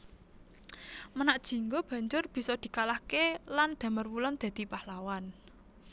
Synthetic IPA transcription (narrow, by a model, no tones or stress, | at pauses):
mənaʔd̥ʒ̥i̤ŋɡob̥ä̤ɲd͡ʒʊrb̥i̤sɔd̪̥i̤kalahkeland̪̥a̤mərwulɔnd̪̥a̤d̪̥i̤pahlawan